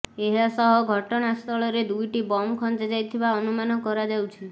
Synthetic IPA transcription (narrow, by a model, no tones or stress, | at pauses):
eɦasɔɦɔɡʱɔʈɔɽ̃ast̪ʰɔɭɔɾed̪ujʈibɔmkʰɔnd͡ʒad͡ʒajt̪ʰibaɔnumanɔkɔɾad͡ʒawt͡ʃʰi